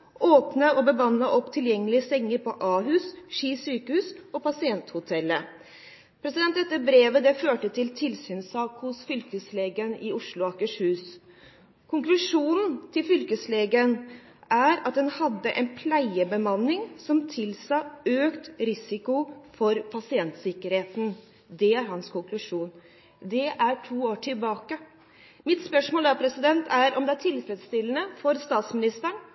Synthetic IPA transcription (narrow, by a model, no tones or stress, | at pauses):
ʔoːpnəɔbəbɑnːəʔɔpːt̪ʰɪljɛŋːəlɪəsɛŋːəɾpʰɔʔɑːɦʉːsʂiːsyːkəhʉːsɔpʰɑsɪɛnt̪hʊt̪ʰɛlːə | pʰɾɛsɪd̪ɛnt̪d̪ɛt̪ːəbɾeːʋəd̪ɛføːʈət̪ʰɪlt̪ʰɪlsyːnsɑːkhʊsfʏlkəsleːɡənɪʊʂlʊɑkəʂhʉːs | kʰʊŋklʉʂuːnn̩t̪ʰɪlfʏlkəsleːɡən | ʔæɾɑt̪̚d̪ɛnhɑd̪ːəʔɛ̰npʰlæɪəbəmɑnːɪŋsɔmt̪ʰɪlsɑøːkt̪ɾɪsɪkʊfɔɾpʰɑsɪɛnt̪sɪkːəɾheːt̪n̩ | d̪ɛæɾɦɑnskʰʊŋklʉʂuːn | d̪ɛʔæʈʰuːoːʈʰɪlbɑːkə | mɪt̪spœʂmoːld̪ɑpʰɾɛsɪd̪ɛnt̪ʰæɾʔɔmd̪ɛæʈʰɪlfɾɛt̪st̪ɪlːənəfɔɾst̪ɑːt̪smɪnɪst̪əɳ